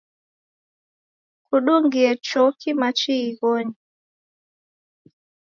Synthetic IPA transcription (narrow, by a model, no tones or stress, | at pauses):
kuɗuŋɡiɛt͡ʃɔkimat͡ʃiːɣɔɲi